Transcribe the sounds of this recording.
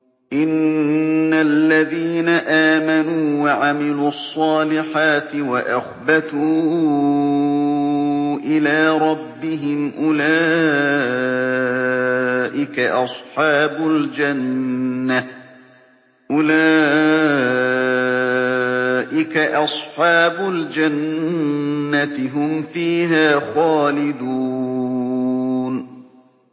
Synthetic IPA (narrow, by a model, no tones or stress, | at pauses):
ʔɪnː | alːaðiːnaʔaːmanuːwaʕamɪluːɑsˤːɑːlɪħaːt̪ɪwaʔaxbat̪uː | ʔɪlaːɾˤɑbːɪɦɪmʔʊlaː | ʔɪkaʔɑsˤħɑːbʊld͡ʒanː | a | ʔʊlaː | ʔɪkaʔɑsˤħɑːbʊld͡ʒanː | at̪ɪɦʊmfiːɦaːxaːlɪd̪uː | n